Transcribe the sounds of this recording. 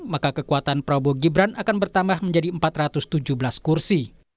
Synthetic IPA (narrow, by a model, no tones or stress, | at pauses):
makakəkuat̪anpɾoboɡibɾanʔakanbərt̪ambahməɲd͡ʒadiəmpat̪rat̪ʊst̪ud͡ʒubəlaskursi